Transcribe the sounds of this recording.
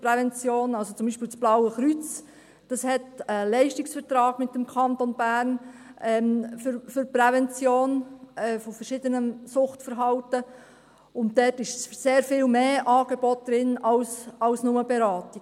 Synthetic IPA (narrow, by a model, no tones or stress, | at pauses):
pɾɛvɛnt͡sjoːnɑlsot͡sʊmbiːʃpɪlt͡sb̥lɑwəχɾyt͡s | d̥ɑshɛtəlɛɪʃtiksfəɾtɾɑːɡ̥mɪt̚ːəmkʰɑntonbæːrnʔɛːmfʏɾfʏɾpɾɛvɛnt͡sjoːnɛfɔfəɾʃɪd̥ənəsʊχtfəɾɦɑltə | ʊnt̚dɛtɪʃseːɾfɪːlmeːʔɑːɡ̥eb̥ɔt̚d̥ɾɪnɑlsɑlsnʊməbeɾɑːti